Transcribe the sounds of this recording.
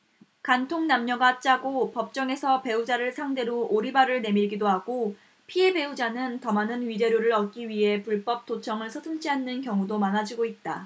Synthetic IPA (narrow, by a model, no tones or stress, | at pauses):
kantʰoŋnamɲʌɡat͡ɕ͈aɡopʌp̚t͡ɕ͈ʌŋe̞sʰʌpe̞ud͡ʑaɾɯɭsʰaŋde̞ɾoʔːɾibaɾɯɭne̞miɭɡidoɦaɡ̥o | pʰie̞be̞ud͡ʑanɯntʌmanɯnɥid͡ʑe̞ɾoɾɯɾʌt̚k͈iɥiɦe̞puɭp͈ʌp̚t͈ot͡ɕʰʌŋɯɭsʰʌsʰɯŋt͡ɕʰiɦanːɯnkjʌŋudomanad͡ʑiɡoit̚t͈a